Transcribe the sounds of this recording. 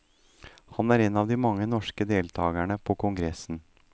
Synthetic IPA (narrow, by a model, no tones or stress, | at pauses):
hɑnæːɾeːnɑːʋd̪iːmɑŋːənɔʂkəd̪eːlt̪ʰɑːɡæɳəpʰɔkʰʊŋɡɾɛsn̩